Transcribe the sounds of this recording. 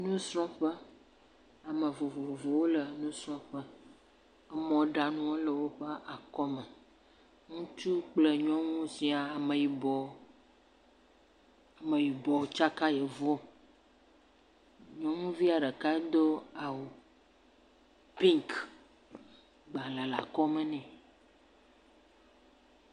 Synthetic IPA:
nũ˦sɾɔ̃˦ɸə˦ | a˨mə̃˨vo˨vo˨vo˨vo˨wo˦lə˨nũ˦sɾɔ̃˦ɸə˦ | ɛ˦mɔ̃˨ɖa˨nũ˦wo˦lə˨wo˦ɸə˦ʔa˨kɔ˦mə˨ | ŋũ˦t͡ʃu˦k͡plə˨ɲɔ̃˦ŋũ˦sĩ˨a˨a˨mẽ˨ji˨bɔ˨ | a˨mẽ˨ji˨bɔ˨t͡ʃa˦ka˦je˨vɔ˦ | ɲɔ̃˦ŋũ˦vi˦a˨ɖe˨ka˦d̪o˦a˨wo˨ | pĩ˦ŋk | ɡ͡ba˨la˨la̰˨kɔ˦mɛ̃˦nɛ̃˨

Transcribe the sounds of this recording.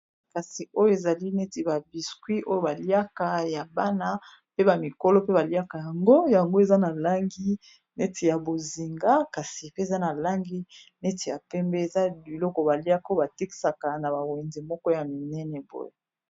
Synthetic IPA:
ka˨si˨o˦jo˦e˨za˨li˦nɛ˦ti˨ba˨bi˨skwi˦ʔo˦jo˦˨ba˨li˦a˦ka˨ja˨ba˦na˦ | pe˦ba˨mi˨ko˦lɔ˦pe˦ba˨li˦a˦ka˨ja˨ŋɡo˦ja˨ŋɡo˦e˨za˦na˨la˦ŋɡi˦ | nɛ˦tʰi˨ja˨bo˨zi˨ŋɡa˦ka˨si˨pe˦e˨za˦na˨la˦ŋɡi˦nɛ˦ti˨ja˨pɛ˦mbɛ˦e˨za˦bi˨lɔ˦kɔ˨ba˨li˦a˦ka˦o˦ba˨te˦ki̥˦˨sa˨ka˨na˨ba˨we˨ndi˨mɔ˦kɔ˦ja˨mi˨nɛ˦nɛ˨bo̰˦je˨

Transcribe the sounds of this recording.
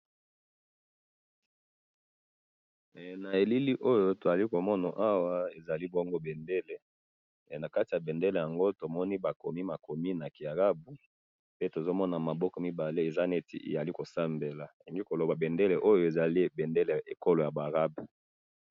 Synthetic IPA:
na˨e˨li˦li˦ʔo˦jo˦to˨za˨li˦ko˨mɔ˦na˨ʔa˦wa˦e˨za˨li˦bɔ˦ŋɡo˦bɛ˨nde˦le˨ | na˨ka˦ti˨ja˨be˨nde˦le˨ja˨ŋɡo˦to˨mɔ˦ni˦ba˨ko˨mi˦ma˨ko˨mi˦na˨ki˨a˨ʁa˦bu˨ | pe˦to˨zo˦mɔ˦na˨ma˨bɔ˦kɔ˨mi˦ba˨le˦e˨za˦ne˦tḭ˨ʔḛ˨ja˨li˦ko˨sa˦mbe˨la˨i˨ŋɡi˦ko˨lo˨ba˨be˨nde˦le˨ʔo˦jo˨e˨za˨li˦˨be˨nde˦le˨e˨ko˦lo˨ja˨ba˨ʁa˦b

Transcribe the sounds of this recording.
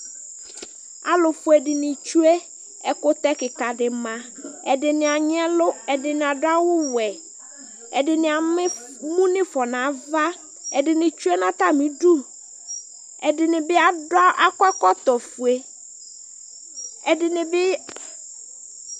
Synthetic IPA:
a˦lʊ˨fʊ˨ɛ˨dɪ˨nɪ̃˨t͡ʃu˦e˦ | ɛ˦kʊ˦t̪ɛ˦kɪ˨ka˨dɪ˨mã˨ | ɛ˨dɪ˨nɪ̃˨a˨ɲ˦ɛ˦lʊ˦ɛ˨dɪ˨nɪ̃˨a˨dʊ˦a˦wʊ˦wɛ˨ | ɛ˨dɪ˨nɪ̃˨a˨mɪ˦ | mũ˦nɪ̃˦fɔ˨nã˨˦va˦ | ɛ˨dɪ˨nɪ̃˨t͡ʃu˦ɛ˦nã˦t̪a˦mĩ˨du˦˨ | ɛ˨dɪ˨nɪ̃˨bɪ˦a˨dʊ˦a˦ʔa˦kɔ˦kɔ˦t̪ɔ˨fu˨e˨ | ɛ˨dɪ˨nɪ̃˨bɪ˦

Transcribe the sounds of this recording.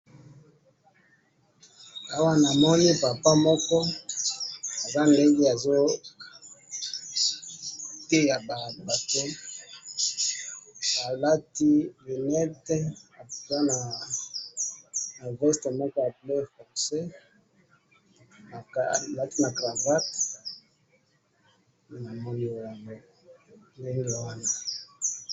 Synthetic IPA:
a˦wa˦na˨mɔ˦ni˦pa˨pa˦mɔ˦kɔ˦ | a˨za˦nde˦ŋɡe˦a˨zo˦ | te˦ja˨ba˨ba˨tɛ˦ | a˨la˦ti˦li˨nɛ˦tɛ˦a˨za˦na˨ | na˨vɔ˦ste˨mɔ˦kɔ˦ja˨ple˦fɔ˨se˦ | a˨la˦ti˦na˨kʁa˨va˦t | na˨mo˦no˨wa˨ŋ˦ | nde˦ŋɡe˨wa˦na˨

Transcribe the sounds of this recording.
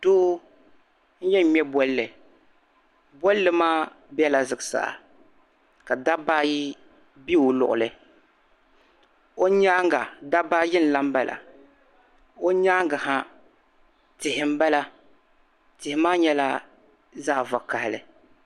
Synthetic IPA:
d̥oː˦ | n̩˦jɛ˦ɲɛ˦bɔ˦llːɨ˨ | bɔ˦llɨ˦maː˦ | bɛ˦la˨zɨ˨ɡɨ˨sa̰˨a̰˨ | ka˨da˦ba˦ji˦ | bi˦ʊ˨lʊ̰˨ʔʊ̰˨lɨ˨ | o˦ɲa˦ŋɡa˨da˦ba˦jɪ˦n̩˨la˦m̩˦ba˦lʔa̰˨ | o˦ɲaː˦ŋɡa˨ha˦ | tɪ˨hɪ˨m̩˦ba˦la˦ | tɪ˨hɪ˨maː˦ɲɛ˦la˦ | zaː˦˨va˨ka˨hɪ˨lɨ̰˨

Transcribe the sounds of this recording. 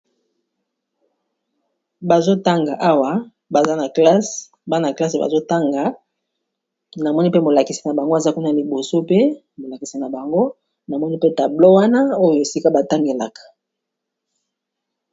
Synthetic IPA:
ba˨zo˦ta˦ŋɡa˨ʔa˦wa˨ | ba˨za˦na˨kla˦s | ba˦na˨kla˦se˨ba̰˨zo˦ta˦ŋɡa˨˦ | na˨mɔ˦ni˦pe˦mo˨la˨ki˨si˨na˨ba˨ŋɡo˦˨za˦ku˦na˨li˨bo˨so˦pe˦ | mo˨la˨ki˨si˨na˨ba˨ŋɡo˦ | na˨mɔ˦ni˦pe˦ta˨blo˦wa˦na˦o˦jo˨e˨si˦ka˦ba˨ta˦ŋɡe˨la̰˨kḁ˨

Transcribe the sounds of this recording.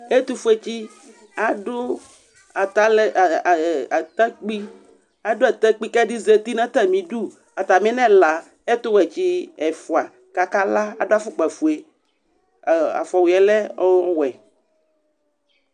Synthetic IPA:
e˦t̪u˦fu˦e˦t͡ɕi˦ | a˨dʊ˦ | a˨ta˦lt̪a˦k͡pi˦ | a˨do˦ɛ˨t̪ɛ˦k͡pi˦kɛ˦di˦ze˦t̪i˦nã˦t̪ɛ˦mĩ˨ɖu˦ | a˨t̪a˨mĩ˦nɛ̃˦la˨ | e˦t̪u˦wɛ˨t͡ɕi˦ɛ˨fu˨a˨ | ka˨ka˦la˦a˨do˦a˨fu˦k͡pɛ˨fu˨e˨ | a̰˨fɔ˨wi˨ɛ˨lɛ˦ɔ˦ɔ˦wɛ˨

